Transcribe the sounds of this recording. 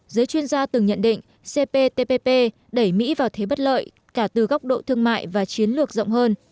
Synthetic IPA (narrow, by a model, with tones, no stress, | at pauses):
zɨː˨˦jt͡ɕwi˧ənzaː˧t̪ɨ˨˩ŋɲə̰˧˨nɗḭ˧˨ŋ̟ | se˧pe˧t̪e˧pe˧pe˧ | ɗə˧˩jmḭ˧˥vaː˨˩wt̪ʰe˨˦ɓə˦˥t̚lə̰ː˧˨j | kaː˧˩t̪ɨ˨˩ɣa˦˥wk͡p̚ɗo̰˧˨t̪ʰɨ˧əŋma̰ː˧˨jvaː˨˩t͡ɕi˨˦ənlɨ˨˩ək̚zə̰˧˨wŋ͡mɦəː˧n